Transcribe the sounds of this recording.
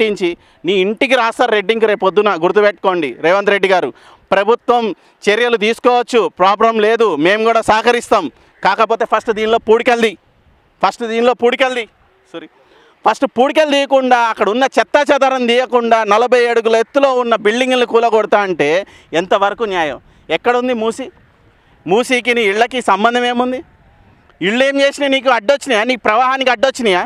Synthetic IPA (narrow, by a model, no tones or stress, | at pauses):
ʈːiɲt͡ʃi | niːiɳʈiɡiɾaːsɐɾɾeɖːiŋɡuɾe̞ːpod̪ːunaːɡuɾut̪ːupeʈ̚ko̞ːɳɖiɾeːʋɐnd̪ɾe̞ɖːiɡaːɾu | pɾɐbʱut̪ʋɐm | t͡ʃeɾijɐlut̪̬iːsu̥kɔːʋɐt͡ʃːupɾaːbɾɐmle̞ːd̪ume̞ːmɡuːɽaːsaːkɐɾist̪aːm | kaːkɐpo̞ːt̪e̞ːpʰɐsʈd̪iːnilo̞ːpuːɽikɐld̪i | pʰɐsʈd̪iːniloːpuːɽikɐld̪i | soɾi | pʰɐsʈpuːɽik̬ɐld̪iːjɐkuɳɖaːɐkːɐɽɐunːɐt͡ʃɛt̪ːat͡ʃad̪ɐːɾɐmd̪iːjɐkuɳɖaːnɐlɐbʱɐjeːɽuɡulet̪ːulo̞ːunːɐbiɭɖiŋɡnikuːlɐɡɔɽut̪aːɐɳʈe̞ː | ent̪ɐʋɐɾɐkunjaːjɐ̰m | ɛkːɐɽɐund̪imuːsi | muːsiːk̬iniːɭːɐkiːsɐmbɐnd̪ʱɐme̞ːmund̪i | iɭːue̞ːmt͡ʃeːsineniːk̬uɐɖːot͡ʃːinijaːniːkupɾɐʋaːɦaːnikiɐɖːot͡ʃːinijaː